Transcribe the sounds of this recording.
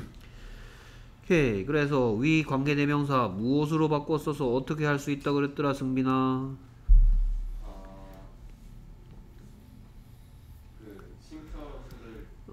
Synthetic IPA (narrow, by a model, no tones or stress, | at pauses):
kekɯɾe̞s̬ʰʌɥikwaŋɡe̞ne̞mjʌŋs̬ʰamuʌs̬ʰɯɾobak͈oʌs͈ʌsʰʌːt͈ʰʌkʰe̞ɦaɭs͈uit̚t͈aɡoɾet̚t͈ɯɾasʰɯŋbina